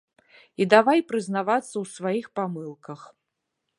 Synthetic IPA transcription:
id̪avajpɾɨznavat̪sːɐwsvajixpamɨlˠkɐx

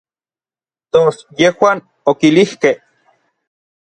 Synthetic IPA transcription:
t̪osjehwaːn | okilihkeh

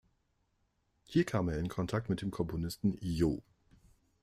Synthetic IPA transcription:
hiːɐkʰaːmeːɐɪnkʰɔntʰak̚tmɪt̚d̥eːmkʰɔmpʰonɪstn̩jo̰ː

